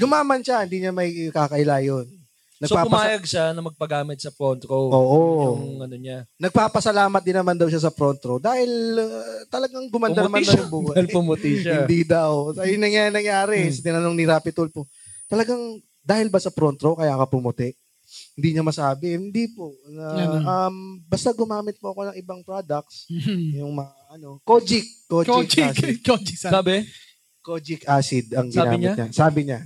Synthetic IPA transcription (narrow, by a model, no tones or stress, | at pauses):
ɡʊmaːmɐnʃahɪnd̪iːɲɐmɐjkaːkɐʔɪlaːjonː | ɐɡsopaːkʊmɐaːjɐɡ̚ʃanɐmɐɡ̚pɐɡaːmɪt̪̚sɐpɾont̪ɾoʔoːʔoŋɐnoɲanɐɡ̚paːpɐsɐlaːmɐt̪̚d̪ɪnːɐmand̪ɐwʃas̬ɐpɾont̪ɾod̪aːhɪl | t̪ɐlɐɡaŋbʊmɐnɐnɐmand̪jʊŋbuːɪlpumʊt̪iʃahɪnd̪id̪ɐwsɐjʊŋnɐŋjanɐŋjaːɾɛsɐt̪ɪnɐnoŋnɪɾaːpɪt̪olpo | t̪ɐlɐɡaŋ | d̪aːhɪlbɐsɐpɾont̪ɾokɐjaːkɐpʊmʊt̪ɛʔ | hɪnd̪iːɲɐmɐsaːbɛhɪnd̪ipoʔnɐɐmbɐst̪aɡʊmaːmɪt̪̚pʊɐko̞nɐŋʔɪbɐŋpɾad̪ɐk̪̚sjʊŋmɐŋaʔɐno̞kod͡ʒɪk̚ːoɪkasd͡ʒsaːbɛ | kod͡ʒɪkaːsɪd̪ɐŋɡɪnːa̰ɲɪɲasaːbɪɲa